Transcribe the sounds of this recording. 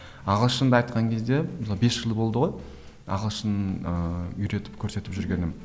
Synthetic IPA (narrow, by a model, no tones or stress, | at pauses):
ɑʁəlˠʃənd̪ɑɑjt̪qɑŋkʲʰe̞zd̪e̞nɑbe̞sʒ̥əlˠbo̞lˠd̪əʁo̞j | ɑ̰ʁəlˠʃənəʏɾe̞t̪ɪ̥p̚kʲʰɵɾse̞t̪ɪpʒʏɾɡʲe̞nɪm